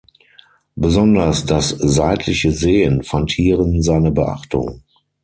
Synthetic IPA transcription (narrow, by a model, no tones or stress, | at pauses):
bəzɔndɐsd̥aszaɪtʰlɪçəzeːənfantʰhiːʁənzaɪnəbəʔa̰χtʊ̰ŋ